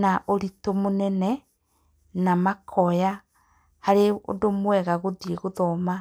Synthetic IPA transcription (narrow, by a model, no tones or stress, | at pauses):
naʔoɾitomonɛnɛ | namakʰɔja | haɾeo̰domwɛɣaɣoðieɣoðɔma